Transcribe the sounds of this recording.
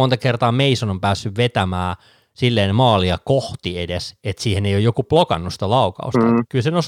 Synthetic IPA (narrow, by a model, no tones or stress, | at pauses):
ont̪ɑkert̪ɑːmeisonompæːsːyʋʋet̪æmæː | silːeːnmɑːliɑkoht̪iedeset̪siːheneijojokuplokɑ̰nːust̪ɑlɑukɑ̰ust̪ɑkylsenos